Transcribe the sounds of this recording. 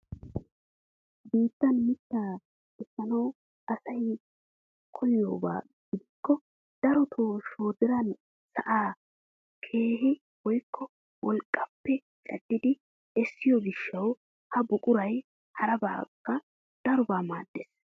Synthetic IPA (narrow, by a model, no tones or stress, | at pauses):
biːt̪ːɐnmɪt̪ːaː | ɛsːɐnɐw | ʔɐsɐj | kʰɔjo̞̰ːba̰ː | ɡ̥ɪd̪ɪkːɔ | d̪̥ɐɾɔt̪ʰoːʃo̞ːd̪ɪɾɐn | sɐʔaː | kʰe̞ːɦɪ | wɔjkʰːɔ | wɔlkʼːɐpːɛ | t͡ʃʼɐd̪ːɪd̪ɪ | ɛsːɪjɔɡɪʃːɐw | hɐbʊkʼʊɾɐj | hɐɾɐba̰ːkʼːɐ | d̪̥ɐɾʊbaːmaːd̪ːɛs